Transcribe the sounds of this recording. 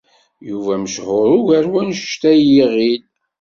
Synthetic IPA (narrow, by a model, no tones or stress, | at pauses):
juvæməʃhʊɾˤʊʝæɾwænʃʃt̪æjiʁid